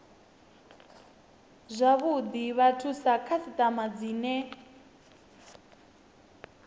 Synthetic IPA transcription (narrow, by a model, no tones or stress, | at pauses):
zʷaβud̪iβatʰusakʰasitʼamad͡ziːnɛ